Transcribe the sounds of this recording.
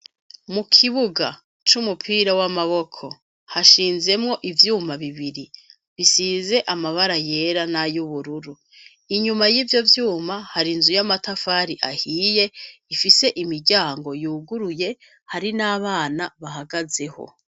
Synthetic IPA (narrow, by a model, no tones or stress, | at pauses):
mukʰiβuɡa | t͡ʃumupʰiːɾawamaβo̞kʰo̞ | haʃiːnze̞mŋo̞ʔivjuːmaβiβiɾi | βisiːze̞ʔamaβaɾaje̞ɾanajuβuɾuɾu | iɲumajiːvjo̞vjuːmahaɾinzujamatafaɾiʔahiːje̞ifise̞ʔimiɾɟaːŋɡo̞juːɡuɾuje̞ | haɾinaːβaːnaβaɦaɡaze̞ho̞̰